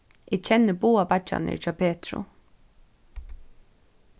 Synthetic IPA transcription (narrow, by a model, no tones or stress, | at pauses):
ɪɡt͡ʃʰɛnːɪboːapat͡ʃːa̰nɪ̰t͡ʃɑːpʰeːt̪ɹʊ̰